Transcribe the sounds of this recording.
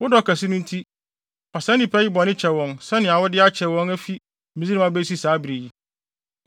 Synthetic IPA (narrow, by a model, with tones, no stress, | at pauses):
wʊ˦dɔ˦˨kʰæ˨sɪ˦nʊ̃˦n˦tʰi˦ | ɔ˨sɛ̃˦nɪ̃˨pʰɛ˦jɪ˦bɔ˨nɪ̃˦t͡ɕʰɛ˨wɔ̃˨nsɛ˦nɪ̃˨a˨wʊ˦dɪ˦a˦t͡ɕʰɛ˨wɔ̃˦ŋæ˦fi˦ | mĩ˨zi˦nɪ̃˦ã˦be˦si˦saː˨˦bɾe˨ji˦